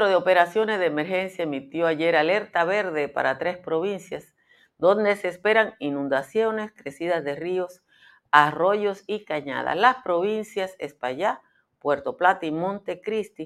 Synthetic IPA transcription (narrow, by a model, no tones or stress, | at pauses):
ɾoðeope̞ɾasjo̞ne̞zðeemeɾxensjaemit̪jo̞aʝe̞ɾale̞ɾt̪aβe̞ɾðe̞pa̰ɾat̪ɾespɾo̞βinsjas | d̪o̞nd̪e̞seːspe̞ɾaŋinũnd̪asjo̞neskɾe̞siðazðe̞rio̞s | aro̞ʝo̞sikaɲa̰ð̞a̰slaspɾo̞βinsjasespaʝa | pwe̞ɾt̪o̞plat̪imõnt̪e̞kɾist̪i